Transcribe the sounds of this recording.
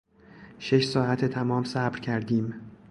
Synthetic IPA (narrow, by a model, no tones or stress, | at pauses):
ʃe̞ʃsɒːæt̪ʰet̪ʰæmɒːmsæbɾcʰæɾd̪iːm